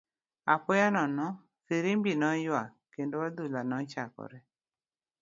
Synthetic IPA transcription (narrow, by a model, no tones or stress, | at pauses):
apʊjanɔnɔ | siɾimbinɔjwa | kendowad̪ulanɔt͡ʃakɔ̰ɾɛ